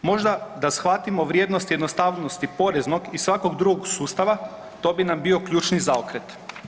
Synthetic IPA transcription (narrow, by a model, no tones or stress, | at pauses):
mo̞ʒd̪ad̪asxʋat̪imo̞ʋɾje̞ːd̪no̞st̪jed̪nost̪aʋnost̪ipo̞ɾe̞zno̞ɡisʋako̞ɡd̪ɾuɡoɡsuːst̪aʋa | t̪o̞ːbinambio̞kʎuːt͡ʃnizaokɾet̪